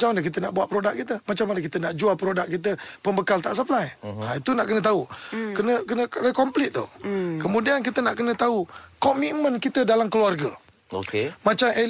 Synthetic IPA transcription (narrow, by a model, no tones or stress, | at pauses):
at͡ʃamːanək̬it̪̬ənaʔbuaʔpɾodaʔ̚kit̪əmat͡ʃamanəkit̪ənaʔd͡ʒualpɾodaʔ̚kit̪̬əpəmbəkalt̪aʔs̬aflajait̪unaʔkənət̪aukənəkənəkənəkɔmplɪt̪̚t̪ṵkəmudiankit̪ənaʔkənə̃t̪aukɔmiʔmə̃nkit̪ədalamkəluarɡə | okemat͡ʃam